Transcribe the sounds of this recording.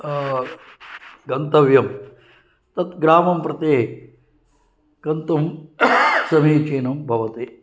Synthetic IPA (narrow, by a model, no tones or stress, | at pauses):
ɡɐnt̪ɐʋjɐm | t̪ɐt̪ɡɾaːmɐmpɾɐt̪eːɦ | kɐnt̪ɐm | sɐmiːt͡ʃeːnɐmbʱɐʋɐt̪eː